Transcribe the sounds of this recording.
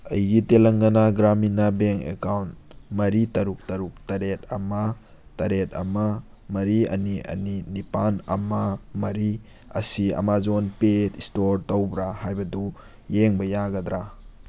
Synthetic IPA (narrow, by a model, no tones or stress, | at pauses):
ɐ̰jɡitelɐŋɡɐnaɡɾaminabeŋkḛkawntmɐɾitɐɾuk̚tɐɾuk̚tɐɾet̚ɐmɐ | tɐɾet̚ɐ̰mɐ | mɐɾiɐ̰niɐ̰ninipanɐmɐmɐɾi | ɐ̰siɐ̰mazonpetistoɾtɐwbɾahajbɐdu | jeŋbɐjaɡɐdɾa